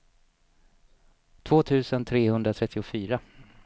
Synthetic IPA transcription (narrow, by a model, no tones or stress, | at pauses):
t̪ʰv̥oːt̪ʰʉ̟ːsənt̪ʰɾeːhɵnd̪ɾat̪ʰɾɛt̪ːɪʊfyːɾa